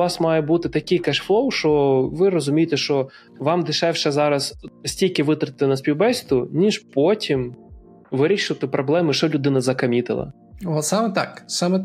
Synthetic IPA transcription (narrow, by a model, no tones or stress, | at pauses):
ʋɑsmɑjɛbut̪ɪt̪ɐkʲɪjkɛʃflˠɔwʃɔʋɪrɔzʊmʲijɪt̪ɛʃt͡ʃɔ | ʋɑmd̪ɪʃɛwʃɛzɑɾɐzsʲtʲilʲkɪʋɪt̪ɾɪɪt̪ɪnɐsʲpʲiwbɛsʲt̪ʊnʲiʒpɔtʲim | ʋɪɾʲiʃɪʋɐt̪ɪpɾɔblˠɛmɪʃɔlʲʊd̪ɪnɐzɐkɐmʲit̪ɪ̰lˠɐ̰ | ɔsɑmɛt̪ɑksɑmɛ